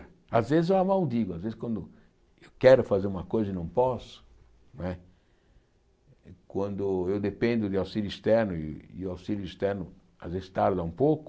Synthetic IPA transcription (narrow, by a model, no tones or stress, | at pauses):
azvezɪzewɐmawd̪iɡʊazvezɪskwɐ̃nd̪ʊ | ewkɛɾʊfazeɾũmɐkojzɐɪnɐ̃w̃pɔsʊ̥ | nw̃ɛ | kwɐ̃nd̪ʊewd̪epẽnd̪ʊd̪ɪawsiljʊist̪ɛɾnʊɪɪ̰ʊawsiljʊist̪ɛɾnʊ | azvezɪst̪aɾd̪ɐũpowkʊ̥